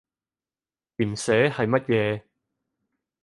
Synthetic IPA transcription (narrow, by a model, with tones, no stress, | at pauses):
liː˨˩msɛː˨˥hɐ˨jmɐ˥t̚jɛː˨˧